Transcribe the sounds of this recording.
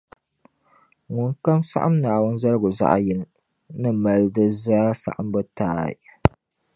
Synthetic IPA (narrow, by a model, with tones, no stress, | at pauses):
ŋʊ˨ŋka˦msa̰˦ʔa˦mnaː˨wʊ˦nzɐ˦ɾɡʊ˨za̰˦ʔa̰˨jɪ˦l | nɨ˦mɐ˦ldɨ˦zaː˦sa̰˨ʔa˨mbɨ˦taː˦˨ḭ˨